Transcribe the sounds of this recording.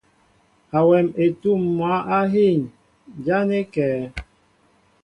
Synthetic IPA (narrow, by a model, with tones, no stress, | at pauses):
a˨wɛ˨me˨tu˦˨mː˨wa˦ʔa˦ɦi˦˨ɲ | d͡ʒa˦ne˦kɛː˨